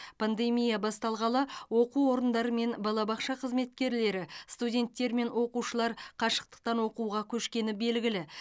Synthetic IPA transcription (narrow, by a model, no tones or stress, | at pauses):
pʰand̪e̞mijabɑst̪ɑlˠʁɑlˠəwo̞quwwo̞ɾənd̪ɑɾəme̞nbɑlˠɑbɑqʃɑqʰəzme̞t̪̚kʲe̞ɾle̞ɾɪst̪udʲe̞nt̪ːe̞ɾme̞nwo̞quʃəlˠɑɾqʰɑʃə̥q̚t̪ə̥q̚t̪ɑnwo̞quʁɑkʲʰɵʃkʲe̞nɪbe̞lɡʲɪlɪ